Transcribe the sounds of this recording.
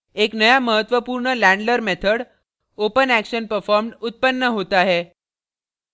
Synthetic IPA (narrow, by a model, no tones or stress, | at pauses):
eknəjaməɦət̪ʋəpuːɾɳəlæ̃ɳɖləɾmet̪ʰəɽ | opənækɕənpəɾfɔɾmɖut̪̚pənːəɦot̪aɦe